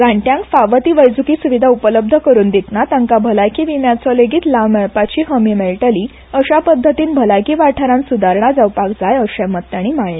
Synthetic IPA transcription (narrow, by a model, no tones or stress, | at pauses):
ɡaɳʈjãŋkfaʋət̪iːʋəjd͡zukiːsuʋid̪ʱaupələb̚d̪ʱəkəɾuːnd̪it̪nat̪ãŋkabʱəlajkiʋimjat͡sɔleɡiːt̪laʋmɛɭpat͡ɕiːɦəmimelʈəliː | əɕapəd̪ʱːət̪iːnbʱəlajkiʋaʈʰəɾãnsud̪ʱaɾɳ̃ad͡zəwpakd͡zajəɕamət̪ːaɽ̃iːmaɭe